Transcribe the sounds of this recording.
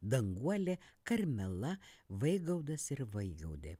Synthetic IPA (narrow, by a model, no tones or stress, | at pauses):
d̪ɐŋɡuɔlʲekɐɾʲmʲɛlˠɐʋɐɪɡɐʊd̪ɐsɪɾʋɐɪɡɐ̰ʊd̪ʲḛ